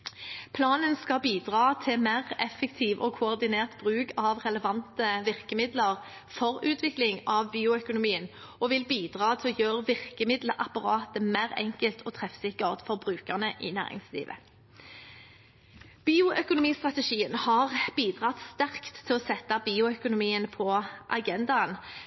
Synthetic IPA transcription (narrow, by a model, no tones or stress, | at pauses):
pʰlɑːnənskɑbiːd̪ʁɑːt̪ʰɪmæʁɛfəkt̪ʰiːʋʔɔ̰ːkʰʊɔʁd̪ɪneːʁt̪b̥ʁʉːkʰɑʋʁɛləʋɑnt̪əʋɪʁkəmɪd̪ləʁ | fɔʁʉːt̪ʰʋɪklɪŋɑʋbiːʊœkʊnʊmiːən | ɔʋɪlbiːd̪ʁɑːt̪ʰɪlɔjøːʁəʋɪʁkəmɪd̪ləʔɑpɑʁɑːt̪əmæʁɛ̰ŋkəlt̪ʰɔt̪ʰʁɛfsɪkəʁt̪fɔʁbʁʉːkəʁnəʔɪ̰næ̰ːʁɪ̰ŋslḭːʋə̰ | b̥iːʊʔœkʊnʊmiːst̪ʁɑt̪əʃiːənhɑʁb̥iːd̪ʁɑt̪st̪æʁkt̪ʰːɪlɔsɛt̪ːɑbiːʊœkʊnʊmiːənpʰɔʔɑ̰ɡɛnd̪ɑn